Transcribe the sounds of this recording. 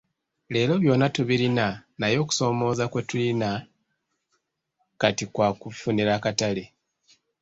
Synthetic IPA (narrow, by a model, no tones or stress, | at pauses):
le̞ːlo̞βjo̞ːnatuβilinanajo̞ːku̥so̞ːmo̞ːzakwetulina | katikwaːkufuniɾaːkatale